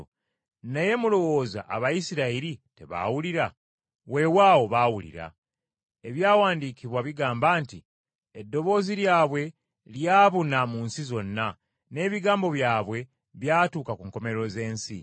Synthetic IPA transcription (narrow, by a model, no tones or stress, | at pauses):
naje̞mulo̞wo̞ːza̰ʔːβajisiɾaiɾite̞βa̰wuliɾa | we̞waːwo̞βawulḭɾa̰ | e̞βjaːwaːndikiβwaβiɡaːmbaːnti | edːo̞βo̞ːziɾjaːβwe̞ | ljaːβunamuːnsizo̞nːa | ne̞ːβiɡaːmbo̞βjaːβwe̞ | βjaːtuːkakuŋko̞me̞ɾo̞ze̞ːnsḭ